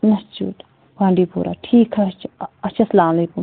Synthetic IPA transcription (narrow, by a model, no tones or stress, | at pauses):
nɐst͡ʃṵːʈ | pãːɳɖiːpṵːɾʔa̰ːʈʰiːkɦɛt͡ʃʰɐtːt͡ʃʰasɐlaːmɐleːkum